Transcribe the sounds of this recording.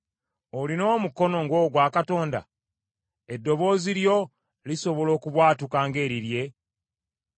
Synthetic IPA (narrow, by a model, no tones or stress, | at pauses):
olino̞ːmuko̞no̞ŋɡo̞ɡwaːkato̞ːnda̰ | e̞dːo̞βo̞ːziɾjo̞ | liso̞βo̞lo̞ːkuβwaːtukaːŋɡe̞ːɾiɾje̞